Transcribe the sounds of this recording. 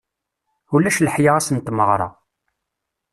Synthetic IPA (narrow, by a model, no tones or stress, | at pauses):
ulːæʃlħjɑʁasənt̪məʁɾˤɑ̰